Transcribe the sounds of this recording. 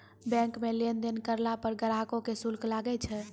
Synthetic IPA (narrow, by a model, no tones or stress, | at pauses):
bɛ̃ŋkmelend̪enkəɾlapəɾɡəɾakokesulklaɡɛt͡ʃʰɛ